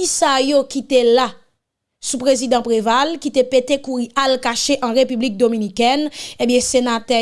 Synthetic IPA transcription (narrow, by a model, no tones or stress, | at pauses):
isajokit̪ela | supʁezid̪ãpʁevalkit̪epet̪ekuʁiʔalkaʃeʔɐ̃ʁepyblik̚d̪ominikɛnẽbjɛ̃senat̪ɛ